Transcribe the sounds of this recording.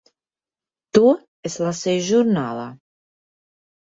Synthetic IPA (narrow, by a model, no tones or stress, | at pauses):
t̪u | ɛslasɛjʒuɾnala̰